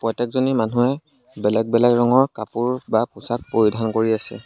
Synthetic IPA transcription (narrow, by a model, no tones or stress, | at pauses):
pɹɔjtɛk̚zonimanuɛ | bɛlɛɡ̚bɛlɛkɹɔŋɔɹkapuɹbapʊsak̚poɹidʱankoɹiasɛ̰